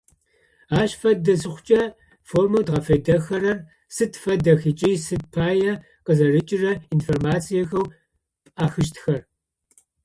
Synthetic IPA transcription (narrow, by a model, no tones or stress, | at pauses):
aːɕfɐdɐsɨχʷʊt͡ʃʼɐ | formɐwdʁɐfɐjdɐxɐɾɐr | sɨtfɐdɐxit͡ʃʼiːsɨt̚pʰaːjɐ | qəzɐrɨt͡ʃʼɪrɐinformaːt͡sʰijɐxɐw | pʼaːxɨʃtʰxɐr